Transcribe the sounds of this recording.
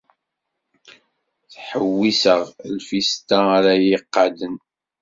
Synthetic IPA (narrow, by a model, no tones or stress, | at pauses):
θħəwːisəʁlfist̪aɾajiqːɑd̪ən